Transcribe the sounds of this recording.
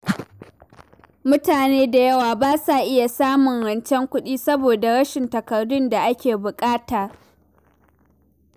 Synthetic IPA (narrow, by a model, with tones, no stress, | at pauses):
mʊ˦taː˨neː˦da˨jɐ˦waː˨baː˦sa˨ʔɪ˦ja˨saː˦mʊ˨ŋɽɐ˨nt͡ʃɛ˦ŋkʷʊ˦ɗiː˦sɐ˦boː˨da˨ɽɐ˦ʃɪ˨ntɐ˨kɐ˨rdʊ˦nda˨ʔa˦kʲeː˨bʊ˨kʼaː˦taː˨